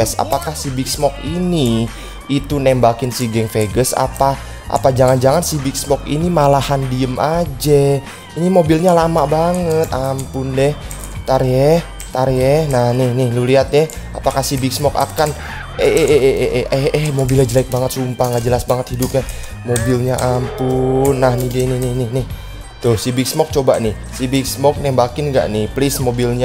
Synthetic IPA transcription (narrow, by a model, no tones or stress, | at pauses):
ɛsa̰pakahsibɪksmɔk̚ini | it̪unɛmbakɪnsiɡɛŋfeɡəsa̰pa | ʔa̰pad͡ʒaŋand͡ʒaŋansibɪk̚smɔkḭnimalahandiəmʔad͡ʒa | inimobilɲalamabaŋət̪̚ampʊndɛh | t̪aɾiɛh | t̪aɾɛhnahnɪhnɪhluliat̪̚jɛ | apakahsibɪksmɔka̰kan | ɛʔeʔʔɛʔɛɛɛhmobilad͡ʒəlajk̚baŋət̪sumpahŋɡaʔd͡ʒəlasbaŋət̪hidʊp̚ɲɛ | mobilɲaʔampʊnːahnidɛnɪhnɪhnɪhnɪh | t̪ʊhsibɪksmɔk̚t͡ʃoba̰nɪ | sibɪksmɔk̚nɛhbakɪnŋɡa̰ʔnɪhplɪsmobilɲa